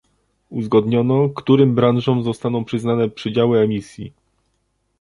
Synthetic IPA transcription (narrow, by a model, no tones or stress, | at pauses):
uzɡɔd̪ɲɔnɔkt̪uɾɘmbɾanʐɔmzɔst̪anɔ̃w̃pʂɘznanɛpʂɘd͡ʑawɘɛmʲisʲjḭ